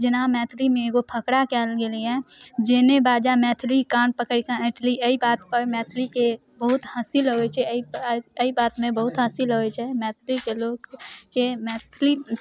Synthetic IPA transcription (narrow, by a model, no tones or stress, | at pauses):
d͡ʒɪnaːmɛːt̪ʰlimẽɡopʰəkɽakɛːlɡeliɛ̃d͡ʒenebaːd͡ʒamɛːt̪ʰlikaːnpəkəikãɪʈʰliəibaːt̪pəɾmɛːt̪ʰlike | bəɦʊt̪haːsilɦoet͡ʃʰɛiəibaːt̪mẽbəɦʊt̪ɦaːsilɦoet͡ʃʰɛmɛːt̪ʰlikeloːɡkemɛːt̪ʰli